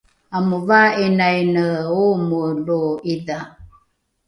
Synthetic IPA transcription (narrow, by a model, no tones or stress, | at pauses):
amuvaenajnəomoloiða